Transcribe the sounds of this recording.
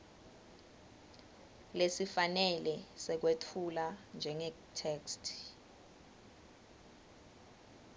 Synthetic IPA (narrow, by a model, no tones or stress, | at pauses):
lesifanɛlɛsɛk̬wetʰuland͡ʒʱɛŋɛ | tʰɛːkstʰ